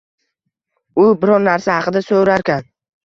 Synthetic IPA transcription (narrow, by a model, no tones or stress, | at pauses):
ʊbɪɾɒɾnaɾsahɑqɨd̪asoɾaɾkʲan